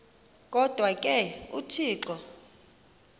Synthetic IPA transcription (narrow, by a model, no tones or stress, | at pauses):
kʼɔd̥ʱwakʼɛutʰiːǃɔ